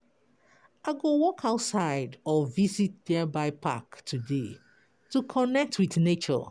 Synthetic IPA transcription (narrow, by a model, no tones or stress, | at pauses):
aɡowɔkʰaʊtsaɪdɔvizit̚dɛbaɪpʰa̰ktʰude | tukʰɔnɛk̚tʰwiθnet͡ʃɔ̰